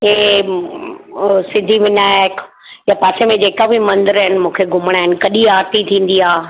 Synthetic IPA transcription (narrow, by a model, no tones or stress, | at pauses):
ɦe | sɪ̃nd̪ʱiʋɪnaːjək | japaːsemẽd͡ʑeːkabɪmɐ̃nd̪əɾɦɪnɪmũːkʰeɡʱʊməɽ̃aːɦɪnɪ̆kɐɗiaːɾt̪it̪ʰĩːn̆d̪iaː